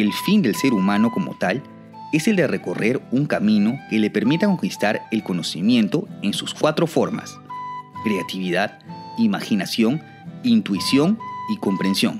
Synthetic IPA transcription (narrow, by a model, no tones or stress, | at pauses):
elfind̪e̞lse̞ɾumãno̞ko̞mo̞̰t̪al | e̞se̞ld̪ere̞ko̞re̞ɾuŋkamĩno̞ke̞lepe̞ɾmit̪ako̞ŋkist̪aɾelko̞no̞simje̞nt̪o̞ensuskwat̪ɾo̞fo̞ɾma̰s | kɾe̞at̪iβiðaðimaxinasjo̞ŋ | int̪uisjo̞ŋiko̞mpɾe̞nsjo̞̰ŋ